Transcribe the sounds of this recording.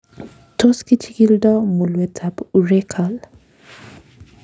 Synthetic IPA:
tʰo˦ski˦t͡ʃi˦ki˦ldɔ˦mu˨lwɛ˨tʰa˨pu˨ɾe˦kʰa˨l

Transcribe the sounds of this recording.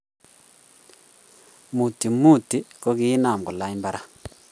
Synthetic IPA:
mu˨ti˨mu˦˨ti˦kɔ˦ki˦na˨m˨ɡɔ˨la˦imba˦ɾa˦

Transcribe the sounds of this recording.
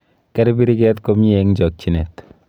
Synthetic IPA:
kɛ˦ɾi˦bi˦ɾi˦kɛtko˦m˦eŋd͡ʒɔ˨k̚t͡ʃinḛ˨t̪

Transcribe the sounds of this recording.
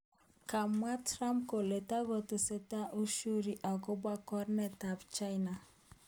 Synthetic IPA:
ka˨m˦a˦tɾa˦mpko˨le˨ta˦ɡo˨tʊ˨se˦ta˦ʔu˦ʃu˦ɾi˨ʔa˨ɡʊ˦bwa˦kɔ˦ɾnɛ˦ta˨bt͡ʃa˦jna˨

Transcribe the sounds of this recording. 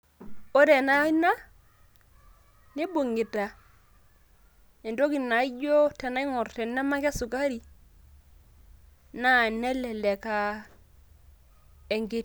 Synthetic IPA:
o˦ɾɛ˨na˦i˦na˦ | nɪ˦bo˨ŋɡɪ˨ta˨ | ɛ˨ndo˦ki˨nːa˨i˦d͡ʒɔ˦tɛ˨na˦i˦ŋɔ˨rtɛ˨nːɛ˦ma˦kɛ˦sʊ˨ka˦ɾi˨ | na˦˨nɛ˦lɛ˨lɛ˨ka˨ | ɛ˨ŋɡɪ˦t̚

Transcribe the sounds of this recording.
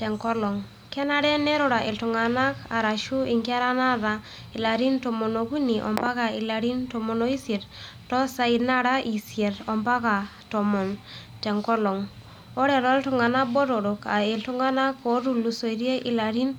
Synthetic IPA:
tɛ˨ŋkɔ˦lɔ˨ŋ | kɛ˦na˦ɾɛ˦nɛ˦ɾɔ˨ɾa˨ʔe˨ltu˨ŋa˨na˦ka˨ɾa˨ʃu˦i˨ŋki˦a˦ɾa˦na˦ɾa˨ | i˨la˨ɾi˦ntɔ˨mɔ˨no˨ku˦ni˨ʔɔ̰˨mba˦ka˨ɪ˨la˨ɾi˦ntɔ˨mɔ˨no˨˦i˦sje˨ɾ | tɔ˦sa˨i˨na˦ɾa˦ʔi˨sie˨ɾɔ˨mpa˦ka˨ | tɔ˨mɔ˨n | tɛ˨ŋkɔ˦lɔ˨ŋ | ɔ˦ɾɛ˨ɾɔ˦ltu˨ŋa˨na˦bɔ˦ɾɔ˨ɾɔ˨ka̰˨e˨ltu˦ŋɡa˦na˦ko˨˦ɾu˨lu˨so˨i˨ɾje˦ʔɪ˨la˨ɾi˦n

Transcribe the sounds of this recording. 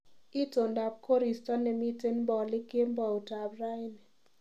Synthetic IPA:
i˦to˨nda˨b̚kʰo˦ɾi˨stɔ˦nɛ˨mi˦te˦nbɔ˨lɪ˦ke˦mbɔ˨u˨ta˨bra˦jnɛ˨

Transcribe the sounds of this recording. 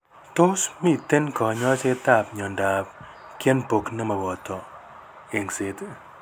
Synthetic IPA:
t̪o˦smi˦˨t̪e˦nkɔ˨ɲɔ˦t͡ʃe˦t̪a˦˨pɲɔ˨nda˨p̚ | kjɛ˦npo˨kna˦mɐ˨bɔ˨t̪ɔ˨ | e˨ŋsɪ˦t̪

